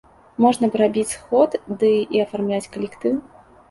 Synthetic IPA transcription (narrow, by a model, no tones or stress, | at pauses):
mɔʐnɐbɨɾabʲit͡sʲsxɔt̪d̪ɨiɐfarmlʲat͡sʲkɐlʲɛkt̪ɨw